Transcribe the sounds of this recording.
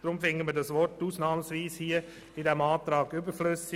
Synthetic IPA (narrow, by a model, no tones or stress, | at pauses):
d̥ɾʊmfɪŋətmədɑsʋɔrtuːsnɑːmsʋiːshiːə | ɪdɛmɑːtɾɑːɡʏbəɾflʏsɪ